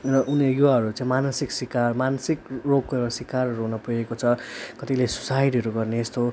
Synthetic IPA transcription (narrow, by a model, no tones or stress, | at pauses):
rʌʔunejuwaɦʌɾut͡sãĩmanʌsiksikarmansikroɡ̚koʌsikarʌɾuɦunʌpujekot͡sʰʌkʌt̪ilesu̥sajʈiɦʌɾuɡʌrneːst̪o